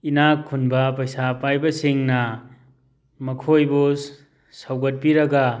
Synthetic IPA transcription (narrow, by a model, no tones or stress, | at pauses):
inakʰːunbɐpɐjsapajbɐsiŋnɐ | mɐkʰojbu | sawɡɐt̚piɾɐɡa